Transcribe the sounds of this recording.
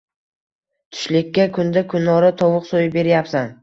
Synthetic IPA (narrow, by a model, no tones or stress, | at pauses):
t̪ʰʊ̥ʃlɪkʲːakʰʊnd̪akʰʊnːɒɾat̪ʰɒwʊqsojɪbe̞ɾjapsan